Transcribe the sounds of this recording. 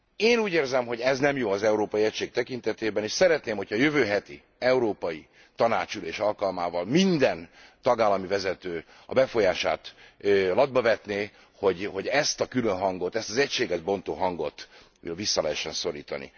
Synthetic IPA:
eːnuːɟeːrzɛmɦo̞ɟɛznɛmjoːɒzɛuɾoːpɒjiɛcʃeːk̚t̪ɛkint̪ɛt̪eːbɛneːʃsɛɾɛt̪neːmho̞cʰhɒːjøvøːɦɛt̪i | ɛuɾoːpɒji | t̪ɒna̰ːt͡ʃyleːʃɒlkɒlmaːvɒlmind̪ɛnt̪ɒɡaːlːɒmivɛzɛt̪øː | ɒ̰bɛfo̞jaːʃa̰ːt̪ | lɒd̪̚bɒvɛt̪neː | ho̞ɟho̞ɟɛst̪ɒkylønɦɒŋɡo̞t̪ɛst̪ɒzɛcʃeːɡɛʒbo̞nt̪oːɦɒŋɡo̞t̪ː | visːɒlɛɦɛʃːɛnso̞ɾiːt̪ɒ̰nḭ

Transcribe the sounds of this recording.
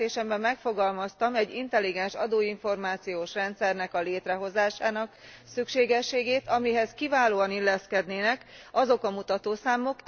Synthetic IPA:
eːʃɛmbɛmːɛkfo̞ɡɒlmɒst̪ɒmɛɟːint̪ɛlːiɡɛnʃɒd̪oːiɱfo̞rmaːt̪sijoːʃrɛnt̪sɛrnɛkɒleːt̪rɛɦo̞zaːʃaːnɒksykʃeːɡɛʃːeːɡeːt̪ɒmiɦɛzkivaːloːɒnilːɛskɛd̪neːnɛkɒzo̞kɒmut̪ɒt̪oːsaːmo̞k

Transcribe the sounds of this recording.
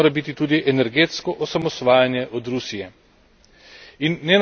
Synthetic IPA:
oːɾabit̪it̪uːd̪iʔɛnɛɾɡeːt̪skɔʔɔsamɔsʋaːjanjɛʔɔd̪ɾusijɛ | inːɛn

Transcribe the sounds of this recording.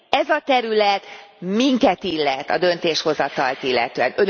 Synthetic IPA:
ɛzɒt̪ɛɾylɛt̪miŋkɛt̪ilːɛt̪ːɒ̰d̪ø̞nt̪eːʃho̞zɒt̪ɒlt̪ilːɛ̰t̪øːɛnøn

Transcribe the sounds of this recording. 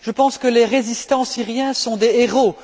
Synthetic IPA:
ʒ̥əpɑ̃skəleʁezist̪ɑ̃siʁjɛ̃sɔ̃d̪eeʁo

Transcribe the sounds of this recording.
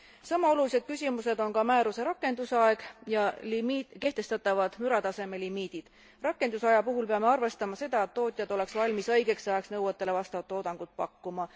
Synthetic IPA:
sɑmːɑo̞lulise̞d̪̥̚kysʲimuse̞d̪o̞nkɑmæːɾuse̞ɾɑkːˑe̞nd̪̥usɑe̞ɡ̥jɑlimike̞ht̪e̞st̪ɑt̪ːˑɑvɑd̪̥myɾɑt̪ɑse̞me̞limiːd̪̥id̪̥ | rɑkːˑe̞nd̪usɑjɑpuɦulpe̞ɑme̞ɑrve̞st̪ɑmɑse̞d̪̥ɑet̪ːo̞ːt̪ʲˑjɑd̪o̞le̞ksvɑlʲmisɤjɡ̥e̞ksɑjɑksnɤwɑt̪ːˑe̞le̞vɑst̪ɑvɑt̪ːˑod̪̥ɑŋɡ̥ut̪̚pɑ̰kːumɑ

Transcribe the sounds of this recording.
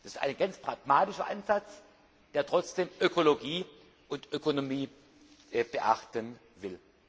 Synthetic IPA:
d̥asɪ̥stʔa̰ɪnɡ̥ant͡spʁ̥aɡ̥maːtɪʃɐʔanzat͡s | d̥eːɐtʁ̥ɔt͡sd̥eːmʔøkʰoloɡiː | ʔʊntʔøkonomiː | ʔɛb̥əʔaχtən | vɪl

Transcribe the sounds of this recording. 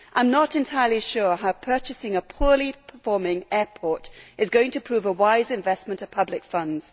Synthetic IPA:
ʔãɪ̃mnəɾɨ̃ntʰaɪəliʃʊɹɦaʊpʰɜˑ˞t͡ʃɨsɪ̃ŋəpʰɔɹlipʰə̥fɔːɹmɪ̃ŋɛːpʰɔˑɹtʔɨzɡoʊɪ̃ŋtʰəpʰɹ̥ʉːvəwaɪzɨ̃ɱvɛsmə̃ntəv̥pʰʌblɪkfʌ̃ndz̥

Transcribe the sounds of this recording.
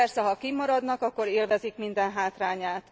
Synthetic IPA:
ɛrsɛɦɒkimɒɾɒd̪nɒkɒkːo̞ɾeːlvɛzikmind̪ɛnɦaːt̪raːɲaːt̪

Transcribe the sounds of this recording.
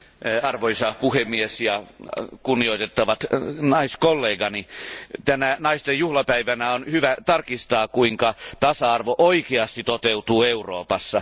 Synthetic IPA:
ɑrʋoisɑpuhemːiesjɑkunːioit̪et̪ːɑʋɑt̪nɑiskolːeːɡɑnit̪ænænɑist̪ejjuhlɑpæiʋænæonhyʋæt̪ɑrkist̪ɑːkuiŋkɑt̪ɑsɑɑrʋoʔoikeɑst̪it̪ot̪eut̪uːeuro̰ːpɑsːɑ

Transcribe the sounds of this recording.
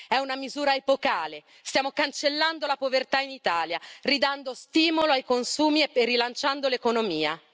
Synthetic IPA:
ɛunamizuːɾaepokaːle | st̪jaːmokant͡ʃelːand̪olapovert̪ainit̪aːljarid̪and̪ost̪iːmoloajkonsuːmieerːilant͡ʃand̪olekonomiːa̰

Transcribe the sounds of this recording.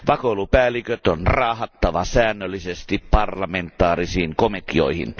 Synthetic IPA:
ʋɑkoulupæːlikøt̪onrɑːhɑt̪ːɑʋɑsæːnːølːisest̪ippɑrlɑment̪ːˑɑːrisiːŋkomet̪io̰ihḭn

